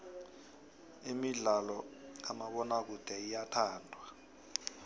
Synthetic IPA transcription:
imiɮalɔamaɓɔnak̬ud̥ʱɛijatʰaːndʱwa

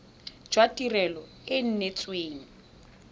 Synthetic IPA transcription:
d͡ʒ̥watʼirɛlɔ | ɪn̩net͡sʼweːni

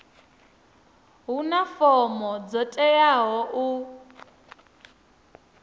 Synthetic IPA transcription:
ɦunafɔmɔd͡zɔtʼɛjaɦɔʔu

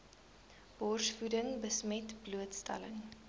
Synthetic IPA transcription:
b̥ɔrsfudəŋbəsmɛtbluətstɐ̰ləŋ

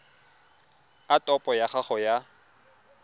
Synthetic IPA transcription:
atʼɔpʼɔjaχaχɔja

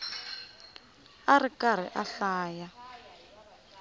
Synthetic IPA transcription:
arikar̤ḭʔaɬaːja

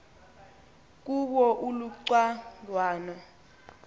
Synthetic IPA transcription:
k̬ʼuɓɔʔuluǀwalwaːna

